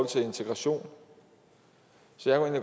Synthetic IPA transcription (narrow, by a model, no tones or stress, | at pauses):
ɒl̰t͡sʰe̝e̝nt͡sʰeɡ̥ʁɑɕo̝̰ːn | sɒ̽jakʰue̝ːnliɡ̥